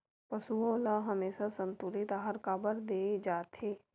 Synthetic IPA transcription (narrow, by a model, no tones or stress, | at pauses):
pɐsuõlaɦɐmeːsasə̃nt̪uːɾɪt̪aːɦəɾkaːbəɾd̪eːd͡ʒaːt̪ɦeː